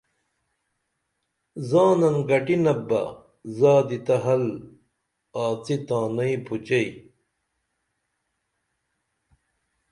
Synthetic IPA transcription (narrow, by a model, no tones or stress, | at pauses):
zaːnɐnɡɐʈinɐbɐ̰ | zaːd̪it̪ɐɦɐl | aːt͡sit̪ãːnɐipʰut͡ɕɐi